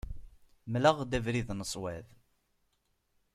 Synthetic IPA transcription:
mləʁd̪ævɾiðnəsˤwæð

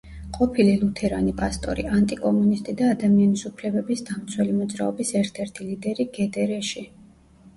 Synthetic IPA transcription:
qʼɔpʰililˠut̪ʰɛɾanipʼast̪ʼɔ̰ɾḭant̪ʼikʼɔmunist̪ʼid̪aːd̪amianisupʰlɛbɛbisd̪amt̪sʰwɛlimɔd̪zɾa̰ɔbisɛɾt̪ʰɛɾt̪ʰilid̪ɛɾiɡɛd̪ɛɾɛʃi

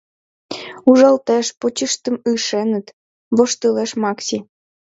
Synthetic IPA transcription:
uʒɑlt̪eʃpot͡ɕəʃt̪ə̆mɯʃenə̆t̪ | βoʃt̪uleʃmɑksʲi

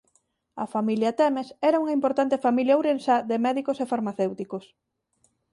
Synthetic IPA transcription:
ɐ̰familjɐt̪ɛmesɛɾauŋɐimpoɾt̪ant̪efamiljawɾensaðemɛðikosefaɾmaθewt̪ikos

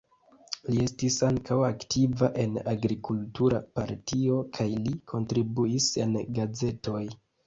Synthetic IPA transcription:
lie̞stisaŋkʰawaktivaʔe̞naɡɾikultuɾa̰paɾtʰio̞kʰajlikʰo̞ntɾibuise̞nɡaze̞to̞j

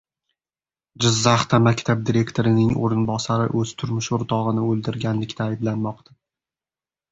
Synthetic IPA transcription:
d͡ʒɪzːaχt̪amakʲt̪ʰab̚d̪iɾe̞kt̪ʰoɾɪnɪŋo̰ɾɪnbɒsaɾɪ̰ʔɵz̥t̪ʰʊɾmʊʃʊɾt̪ʰɒʁɨnɪɵlˠd̪ɪɾɡʲanlɪkʲt̪ʰaːjblanmɒqt̪ʰa

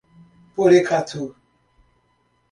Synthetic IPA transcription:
poɾekʰatʰu

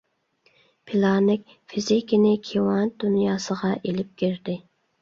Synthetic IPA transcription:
pʰilˠɑnɪkʲ | fizɪkʲɪnɪkʲʰewɑnd̪̥unjɑːsəʁɑʔelɪp̚kʲiɾd̪ɪ

